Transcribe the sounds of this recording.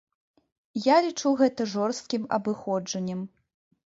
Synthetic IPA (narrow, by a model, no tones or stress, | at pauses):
jalʲit͡ʂuɣɛt̪ɐʐɔrst̪̚kʲimɐ̰bɨxɔd͡ʐɐnʲːɐm